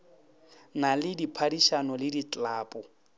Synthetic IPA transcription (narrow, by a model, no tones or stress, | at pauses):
nalɪdipʰadiʃanɔlɪdit͡ɬʼlaːpʼɔ